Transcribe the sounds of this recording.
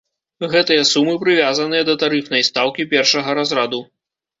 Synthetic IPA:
ɣɛt̪ɨjɐsumɨpɾɨvʲazɐnɨjɐd̪ɐt̪aɾɨfnɐjst̪awkʲipʲɛrʂɐɣɐɾazɾad̪u

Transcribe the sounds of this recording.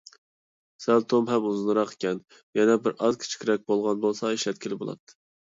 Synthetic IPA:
sɛlt̪ʰomɦɛmuzɨnɾɑqe̥kʲɛn | jɛnɛbɪɾʔɑzkʲʰi̥t͡ʃʰi̥kʲɾɛk̚ʲbolˠʁɑnbolˠsɑeʃlɛt̪̚kʲilɪbolˠɑ̰pt̪ʰːɨ̥

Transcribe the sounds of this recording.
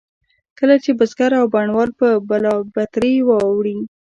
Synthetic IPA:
kəlat͡ʃebəzɡaɾawbaɳwɑlpəbalɑbat̪ɾewɑwɽi

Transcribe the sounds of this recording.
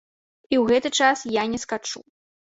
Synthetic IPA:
iwɣɛt̪ɨt͡ʂasjanʲɛskat͡ʂṵ

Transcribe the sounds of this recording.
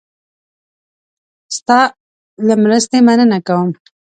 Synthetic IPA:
st̪ɑ | ləmɾəst̪emanənakawəm

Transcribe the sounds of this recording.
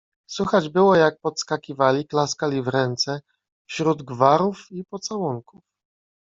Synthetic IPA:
swuxad͡ʑbɘwɔjak̚pɔt̪skakʲivalʲiklaskalʲivɾɛnt̪sɛ | fɕɾud̪ɡvaɾufipɔt̪sawɔŋkuf

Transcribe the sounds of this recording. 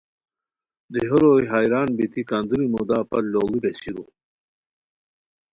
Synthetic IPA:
d̪iɦuɾojɦaːjɾaːnbit̪ʰikaːnd̪uɾimod̪aːpɐlloːwibeɕiɾṵ

